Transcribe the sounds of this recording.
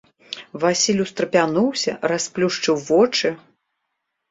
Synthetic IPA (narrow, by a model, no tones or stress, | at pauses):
vasʲilʲust̪ɾɐpʲanuwsʲɐrasplʲuʂt͡ʂɨwvɔt͡ʂɨ